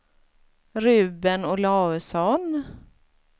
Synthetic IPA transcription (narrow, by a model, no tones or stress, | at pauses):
ɾʉbənɔlɑːəsɔn